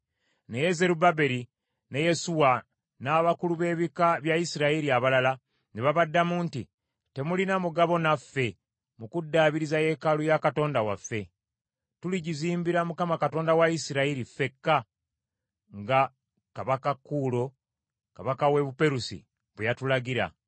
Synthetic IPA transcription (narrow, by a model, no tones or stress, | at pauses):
ne̞je̞ze̞ɾubabe̞ɾi | ne̞je̞suwa | naːβakuluβe̞ːβikaβjaisiɾaiɾiaβalala | neβaβadːamunti | te̞mulinamuɡaβo̞nafːe̞ | mukudːaːβiɾizaje̞kalujakato̞ːndawa̰fːe̞ | tuliɟiziːmbiɾamukamakato̞ːndawaisiɾaiɾife̞kːa | ŋɡa | kaβakakːuːlo̞ | kaβakawe̞βupe̞ɾusḭ | βwejatulaɡiɾa̰